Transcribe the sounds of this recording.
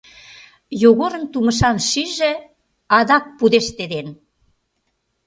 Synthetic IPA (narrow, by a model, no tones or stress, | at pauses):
joɣoɾə̆nt̪uməʃ̬ɑnʃiʒĕ | ɑd̪ɑk̚pud̪eʃt̪ed̪en